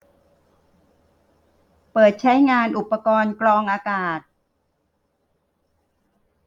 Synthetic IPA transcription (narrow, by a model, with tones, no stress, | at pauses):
pɤː˨˩t̪̚t͡ɕʰa˦˥jŋaː˧nʔu˨˩pːa˧kɔː˧nklɔː˧ŋʔaː˧kaː˨˩t̪̚